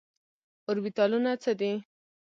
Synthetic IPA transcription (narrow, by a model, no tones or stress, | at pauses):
ʊɾbit̪ɑlunat͡səd̪i